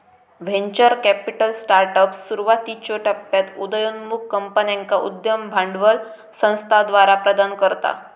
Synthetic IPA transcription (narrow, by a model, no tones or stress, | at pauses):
ʋẽɲt͡ɕəɾkɛpiʈəlsʈaɾʈəpsːuɾuʋat̪it͡ɕoʈəpːjat̪ud̪əjunmukːəmpənjãŋkaʔṵd̪jəmbʱaɳɖʋəl | sə̃w̃st̪ʰad̪ʋaɾapɾəd̪ankəɾt̪a̰